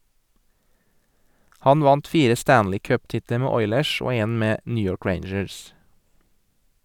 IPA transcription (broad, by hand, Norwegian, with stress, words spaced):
ˈhɑn ˈʋɑnt ˈfiːɾə ˈstæːnlɪ ˈkœpˌtɪtlə ˈmeː ˈɔʏləʃ ˈoː ˈeːn ˈmeː ˈnyː ˈjɔɹk ˈɹeɪɳd͡ʒəs